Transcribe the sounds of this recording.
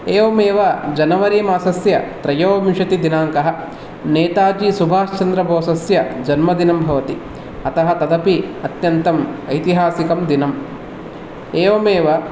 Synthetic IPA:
eːʋɐmeːʋɐd͡ʒɐnɐʋɐɾiːmaːsɐsjɐ̰t̪ɾɐjoːɐʋiʂɐt̪id̪inaːŋkɐɦɐ̆ | neːt̪aːd͡ʒisubʱaːʃt͡ʃɐnd̪ɾɐbʱoːsɐsjɐd͡ʒɐnmɐd̪inɐmbʱɐʋɐt̪i | ɐt̪ɐɦɐt̪ɐd̪ɐpiɐt̪jɐnt̪ɐmɐjt̪iɦaːsikɐmd̪inɐm | eːʋɐmeːʋɐ

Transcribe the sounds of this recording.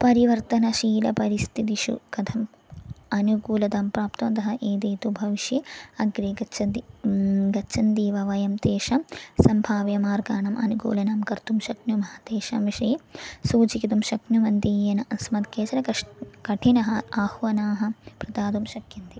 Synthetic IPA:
pɐɾiʋɐɾt̪ɐnɐʃiːlɐpɐɾist̪ʰit̪iʃṵkɐt̪ʰɐm | ɐnukuːlɐt̪aːmpɾaːpt̪ɐmɐt̪ɐɦɐʔeːd̪eːt̪ubʱɐʋiʃjiɐɡɾiɡɐt͡ʃʰɐd̪iɡɐʃʰɐnd̪iːʋɐʋɐjɐmt̪eːʂɐmsɐmbʱaːʋjɐmaːɾɡaːɳɐmʔɐ̰nukṵːlɐnaːmkɐɾt̪umʃɐknjumɐɦɐt̪eːʃɐmiʂɐjsuːt͡ʃikit̪umʃɐknjuʋɐnt̪ijɐnɐʔɐsmɐt̪keːt͡ʃɐɾɐkkɐʈʰinɐɦɐaːhʋɐnaːɦɐpɾɐd̪aːd̪umʃɐkjɐnt̪i

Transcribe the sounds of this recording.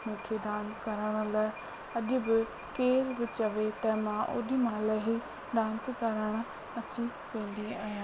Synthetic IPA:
mũːkʰeɖãːnskɐɾəɽ̃laː | ɐʄʊbɪ | keːɾbɪt͡ʃɐʋet̪ɐmãʔo̰ːɗimɐlaɦi | ɖãːnskɐɾəɽ̃ | ɐtːt͡ʃʰi | pẽːnd̪iaːjãː

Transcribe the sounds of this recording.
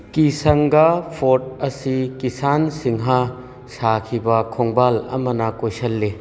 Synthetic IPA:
kisɐŋɡapʰot̚ɐsikisansiŋɦa | sakʰibɐkʰoŋbalɐ̰mɐnɐkojsɐlːe

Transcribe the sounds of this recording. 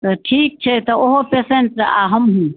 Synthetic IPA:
t̪ɔʈʰiːk̚t͡ʃʰet̪ooɦopeseɳʈsa̰ɦəmɦũ

